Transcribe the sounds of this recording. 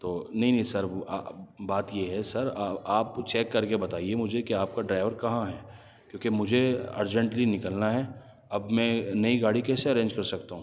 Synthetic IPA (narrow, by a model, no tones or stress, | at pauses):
t̪oːnɐɦĩnɐɦĩsɐɾa̰baːt̪jeɦɛsɐɾaaːpt͡ʃɛːkːɐɾkebɐt̪aːiemʊd͡ʒʱekiaːp̚kaɖɾaːɪʋəɾkɐɦãɦɛː | kjõːkemʊd͡ʒʱeɐ̰ɾd͡ʒə̃ɳʈlinɪkəlnaɦɛ | ɐbmɛ̃nɐiɡaːɽikɛːseɐɾẽːɲd͡ʒkɐɾsɐk̚t̪aɦũː